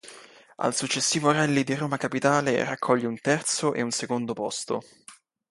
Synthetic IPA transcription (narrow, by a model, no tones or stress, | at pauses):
a̰lsut͡ʃːesːiːvoɾɛlːid̪iroːmakapit̪aːlḛrakʰːɔʎːeunt̪ɛrt̪soʔḛunsekond̪opɔst̪o̰